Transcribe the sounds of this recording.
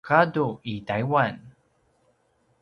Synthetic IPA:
kaduitajwan

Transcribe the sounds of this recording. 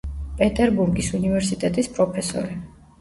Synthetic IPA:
pʼɛt̪ʼɛɾbuɾɡisunivɛɾsit̪ʼɛt̪ʼispʼɾɔpʰɛsɔ̰ɾi

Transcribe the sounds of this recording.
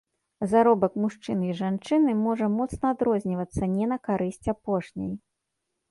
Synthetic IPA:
zaɾɔbɐkmuʂt͡ʂɨniʐant͡ʂɨnɨmɔʐɐmɔt̪snɐad̪ɾɔzʲnʲivɐt̪sːɐnʲɛnɐkaɾɨsʲt͡sʲapɔʂnʲa̰j

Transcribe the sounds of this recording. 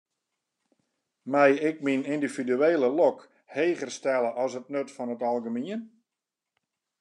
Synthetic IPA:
mɛjɪk̚minindividyeːlˠəlɔk | heːɣərstɛlˠəʔɔsət̚nøtfɔnətɑlˠɡəmiən

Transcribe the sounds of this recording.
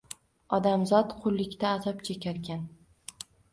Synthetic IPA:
ɒd̪amzɒt̪qʰʊlˠːɪkʲt̪aːzɒpt͡ʃʰekʲʰaɾkʲʰan

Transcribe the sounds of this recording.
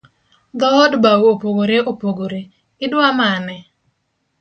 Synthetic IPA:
d̪ɔɔdbawopoɡoɾeʔopoɡoɾe | ɪdwamanɛ

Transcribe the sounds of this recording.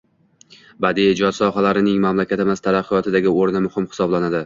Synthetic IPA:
bad̪ied͡ʒɒd̪sɒɦalaɾɪnɪŋmamlakʲʰat̪ɪmazt̪ʰaɾaqʰːɨjɒt̪ʰɪd̪aɡʲɪoɾnɪmʊhɪmhɪ̥sɒblanad̪ɪ

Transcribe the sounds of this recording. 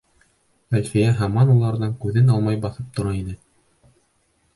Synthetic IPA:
ælfijæɦɑmɑnulˠɑɾðɑŋkʉðɘnɑlˠmɑjbɑθɤp̚t̪ŏɾɑinɘ

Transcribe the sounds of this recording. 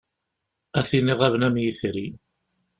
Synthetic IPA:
æθiniʁævnæmjiθɾi

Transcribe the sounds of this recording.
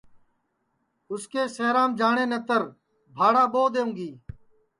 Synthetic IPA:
ʊskeːseːɾãːmd͡ʒaːɳeːnət̪əɾ | bʱaːɽaːɓoːd̪eːũːɡiː

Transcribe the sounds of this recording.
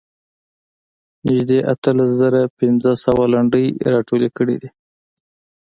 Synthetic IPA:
nɪʒd̪eʔat̪əlaszaɾapɪnzəsawalaɳɖəjɾɑʈolekəɽḭd̪i

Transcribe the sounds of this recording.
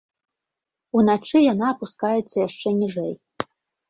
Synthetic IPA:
unat͡ʂɨjanaːpuskajɛt̪sːɐjaʂt͡ʂɛnʲiʐɛj

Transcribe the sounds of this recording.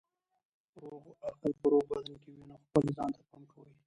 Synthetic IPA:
ɾoɣaqəlpəɾoɣbad̪ankewinaxpəlzɑ̰nt̪apamkawəi

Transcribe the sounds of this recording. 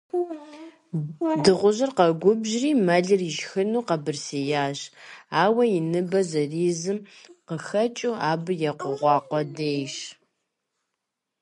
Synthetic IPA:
dɨʁʷʊʑɪrqɐɡʷʊbʑriːmɐɮɨriʒxɨnuːqɐbɨrsejaːɕaːwɐjinɨbɐzɐriːzɨmqəxɐt͡ʃʼuːaːbɨjɛqʷʊʁʷɑːqʷɔdeːjʃ

